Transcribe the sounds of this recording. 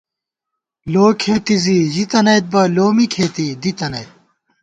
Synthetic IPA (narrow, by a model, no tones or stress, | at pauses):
loːkʰeːt̪iziʑit̪ɐnɐjt̪̚bɐloːmikʰeːt̪id̪it̪ɐnɐjt̪̚